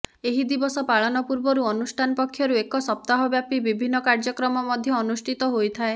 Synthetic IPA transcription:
eɦid̪ibɔsɔpaɭɔnɔpuɾbɔɾuɔnusʈʰanɔpɔkʰːjɔɾuekɔsɔp̚t̪aɦɔbjapibibʱinːɔkaɾd͡ʒɔkɾɔmɔmɔd̪ʱjɔːnusʈʰit̪ɔɦojt̪ʰae

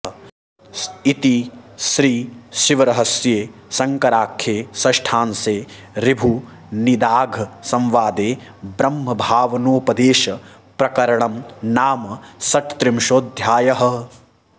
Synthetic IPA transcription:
it̪iʃɾiːʃiʋɐɾɐɦɐsjeːsɐŋkɐɾaːkʰjeːsɐʃʈʰaːnseː | ɾibʱu | nid̪aːɡʱɐsɐ̃mʋaːd̪eːbɾɐmɦɐbʱaːʋɐnoːpɐd̪eːʃɐ | pɾɐkɐɾɐɳɐmnaːmɐsɐʈt̪ɾimʃoːd̪ʱjaːjɐɦɐ̆

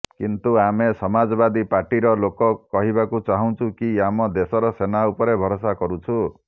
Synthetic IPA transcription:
kint̪uamesɔmad͡ʒɔbad̪ipaɾʈiɾɔlokɔkɔɦibakut͡ʃaɦũt͡ʃʰukiamɔd̪esɔɾɔsenaupɔɾebʱɔɾosakɔɾut͡ʃʰu

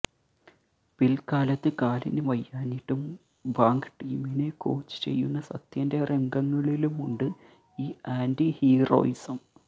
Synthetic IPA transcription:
pilkːaːlɐt̪ːɨkaːlinɨʋɐjːaːniʈːum | baːŋkɨ̥ʈiːmineko̞̰ːt͡ɕːɨ̥t͡ɕe̞̰jːunːɐsɐ̰t̪jɐnde̞rʔeŋɡɐŋːɐɭilumuɳɖɨ | iːaːndihiːro̞̰ːisɐm

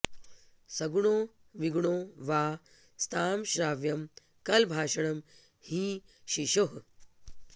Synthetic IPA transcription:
sɐɡɳoː | ʋiɡɳoːʋaː | st̪ʰaːmʃɾaːʋjɐm | kɐlbʱaːʃɐɳɐm | hĩːʃiʃoɦ

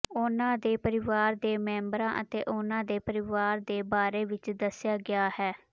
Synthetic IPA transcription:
ʊnãːd̪eːpəɾɪʋaːɾd̪eːmɛ̃ːmbɾãːʔət̪ḛːʔʊnãːd̪eːpəɾɪʋaːɾd̪eːbaːɾeːʋɪt͡ʃd̪əsjaːɡɪjaːhɛː

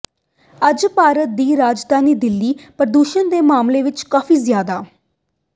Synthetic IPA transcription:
əd͡ʒpaːɾət̪̚d̪iːɾaːd͡ʒd̪aːniːd̪ɪlːiːpəɾəd̪uːʃənd̪eːmaːmleːʋɪt͡ʃkaːfiːzjaːd̪aː

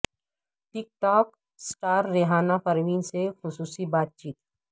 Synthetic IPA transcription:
ʈɪk̚ʈɔːk̚ | sʈaːɾːeɦaːnapɐɾʋiːnsexʊsuːsibaːt̪̚t͡ʃiːt̪

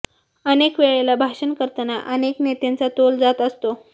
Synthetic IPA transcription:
ənekʋeɭelabʱaʂənkəɾt̪ənaʔəneknet̪ent͡sat̪old͡zat̪əst̪o

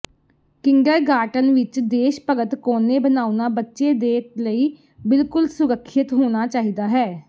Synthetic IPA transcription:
kɪŋɡəɾɡaːʈənʋɪt͡ʃd̪eːʃpəɡət̪koːneːbənaːunaːbətːʃeːd̪eːt̪ləiː | bɪlkʊlsʊɾəkʰːɪt̪ɦoːɽ̃aːt͡ʃaːɦiːd̪aːɦɛː

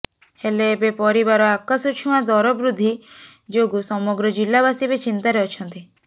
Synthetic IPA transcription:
helebepɔɾibaɾɔakasut͡ʃʰũãd̪ɔɾɔbɾud̪ʱid͡ʒoɡusɔmɔɡɾɔd͡ʒilːaβasibet͡ʃint̪aɾɛɔt͡ʃʰɔnt̪i

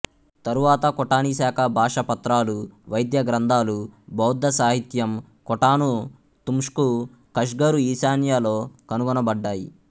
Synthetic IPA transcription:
t̪ɐɾuʋaːt̪ɐkɔʈaːnisaːkʰɐbʱaːʂɐpɐt̪ɾaːluʋɐjd̪jɐɡɾɐnd̪ʱaːlubʱɐwd̪ːɐsaːɦit̪jɐm | kɔʈaːnu | t̪umʂku | kɐʂɡɐɾuiːsaːnjaːlo̞ːkɐnuɡɔnɐbɐɖːaːjḭ

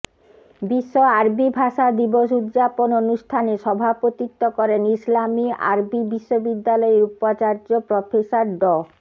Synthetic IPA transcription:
biʃːoaɾbibʱaʃad̪iboʃud̪d͡ʑapononuʃtʰaneʃɔbʱapot̪it̪ːokɔɾenislamia̰ɾbibiʃːobid̪ːalɔeɾupat͡ɕaɾd͡ʑopɾofesaɾɖɔ

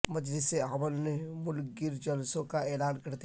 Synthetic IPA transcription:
mɐd͡ʒlɪseaməlnemʊlɡɪɾd͡ʒɐlsõkaɛːlaːnkɐɾt̪i

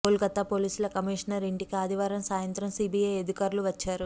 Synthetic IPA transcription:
oːlɡɐt̪ːapo̞ːliːsulɐkɐmiːʂɐnɐɾiɳʈikiaːd̪iʋaːɾɐmsaːjɐnt̪ɾɐmsiːbijɐjed̪ikaːɾluʋɐt͡ʃːaːɾu

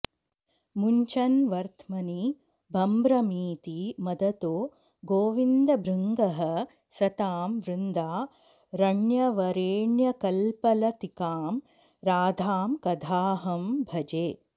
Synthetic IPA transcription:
muɲt͡ʃɐnʋɐɾt̪ʰmɐni | bʱɐmbɾɐmiːt̪imɐd̪ɐt̪oː | ɡoːʋind̪ɐbɾiŋɡɐɦɐ̆ | sɐt̪aːmʋɾind̪aː | ɾɐɳjɐʋɐɾeːɳjɐkɐlpɐlɐt̪ikaːm | ɾaːd̪ʱaːmkɐd̪ʱaːɦɐmbʱɐd͡ʒeː

